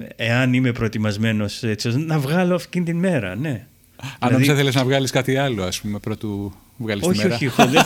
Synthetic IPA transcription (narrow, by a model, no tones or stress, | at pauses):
eɐnime̞pɾo̞et̪imɐzme̞no̞se̞t͡sioznɐvɣɐloɐfcint̪inme̞ɾɐ̰ne̞ | ɐnlɐoðsɐθeleznɐvɣɐliskɐt̪iɐloɐspume̞pɾot̪u | vɣɐlissoçimeioɾçixoð